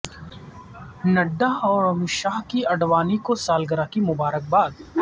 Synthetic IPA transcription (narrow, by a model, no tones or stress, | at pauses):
nɐɖːaɔːɾɐmɪʃaːɦkiɐɖʋaːnikosaːlɡəɾakimʊbaːɾək̚baːd̪